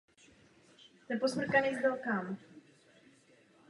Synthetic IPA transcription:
t̪ɛposmr̩kanɛzd̪alkam

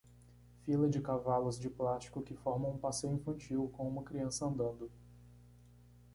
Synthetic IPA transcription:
filɐd͡ʒɪkavalʊzd͡ʒɪplast͡ʃi̥kʊkɪfɔɾmɐ̃ũpasejʊĩfɐ̃nt͡ʃiwkõũmɐkɾiɐ̃sɐɐ̃nd̪ɐ̃nd̪ʊ

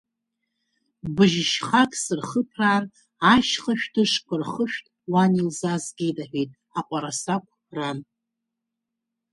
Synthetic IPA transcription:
bɨʒʃχakʼsɨrχəpʰraːr | aʃχaʃᶣtʰɨʂkʷʰarχəʃᶣtʼwanilzazɡʲejtʼaħᶣejtʼ | aqʷʼaɾasakʷʰpʰran

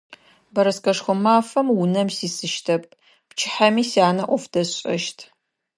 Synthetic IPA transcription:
bɐɾɐskɐʂxʷʊmaːfɐmwʊnɐmsiːsɨʃtʰɐp̚ | pt͡ʃʰɪ̥ħamiːsiaːnɐʔʷɔfd̥ɐɕʼɐ̰ʃtʰ

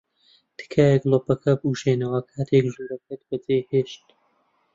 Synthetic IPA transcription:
t̪ʰɨ̥kʰaːjeklopɐkʰɐbuʃeːnɐwɐkʰaːt̪ʰekʒuːɾɐkɨt̪̚bɐd͡zeːjheːʃt̪

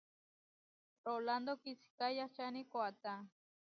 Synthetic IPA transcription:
roland̪okisi̥kajat͡ʃanikoat̪a

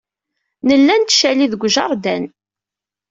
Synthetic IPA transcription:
nəlːænt̪ːʃæliðəɡʷʒɑɾˤd̪æn

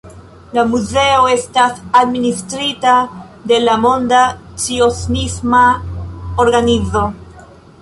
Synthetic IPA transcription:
lamuze̞o̞e̞stasad̪ministɾita | de̞lamo̞ndat͡siosnisma | oɾɡanizo̞

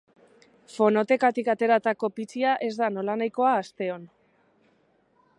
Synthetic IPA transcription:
fo̞no̞t̪e̞kat̪ikat̪e̞ɾat̪ako̞pit͡siaʔe̞zd̪ano̞lanajko̞aːst̪e̞o̞n

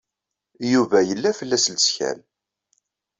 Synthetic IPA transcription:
juvæjəlːæfəlːæslsçæ̰n

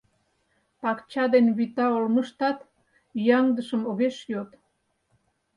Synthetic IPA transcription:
pɑkt͡ɕɑd̪enβit̪ɑolməʃt̪ɑt̪ | jɑŋd̪əʃəmoɣeʃjot̪

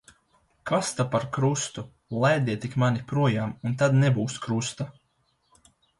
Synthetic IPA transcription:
kast̪apaɾkɾust̪u | lˠɛjd̪ʲiɛt̪ikmanipɾuɔjaːmunt̪ad̪nɛbuːskɾust̪a

